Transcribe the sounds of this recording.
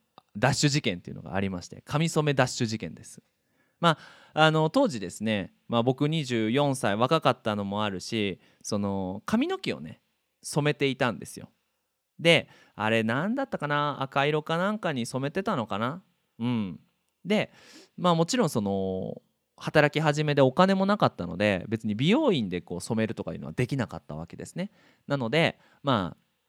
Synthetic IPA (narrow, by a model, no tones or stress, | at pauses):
d̪aɕːɨʑikẽ̞nt̪e̞iɯ̟no̞ɡa̰ːɾʲimaɕi̥t̪e̞̰kʰamʲiso̞me̞d̪aɕːɨʑikẽ̞nd̪e̞sɨ̥ | ma | ano̞t̪o̞ːʑid̪e̞sɨne̞ | mabo̞kɯ̟ɲ̟iʑɨːjõ̞ɰ̃saiβ̞akakat̪ːano̞mo̞aɾɯ̟ɕi | so̞no̞kʰamʲino̞kʲio̰ne̞̰ | so̞me̞t̪e̞it̪ãnd̪e̞sɨjo̞̰ | d̪e̞ | a̰ɾe̞nãnd̪at̪ːakanaa̰kaiɾo̞kanãŋkaɲ̟iso̞me̞t̪e̞t̪ano̞kana | ɯ̟̃ɴ | d̪e̞ | maːmo̞t͡ɕiɾõɰ̃so̞no̞ | hat̪aɾakʲiɦaʑime̞d̪e̞o̞kane̞mo̞nakat̪ːano̞̰d̪e̞̰be̞t͡sɨɲ̟ibʲijo̞ːĩnd̪e̞ko̞̰ːso̞me̞ɾɯ̟t̪o̞ka̰ji̟̰ːn̰ad̪e̞kʲinaka̰t̪ːa̰βa̰ke̞d̪e̞sɨ̥ne̞ | nano̞d̪e̞ | ma̰ː